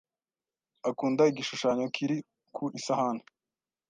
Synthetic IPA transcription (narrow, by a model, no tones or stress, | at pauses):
akuːndaiɡiʃuʃaːɲokʰiɾi | kʰuʔisahane